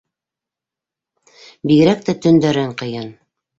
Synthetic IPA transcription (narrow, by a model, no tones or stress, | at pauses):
biɡɘ̆ɾæk̚t̪æt̪ɵ̆nd̪æɾæɴqɤ̆jɤn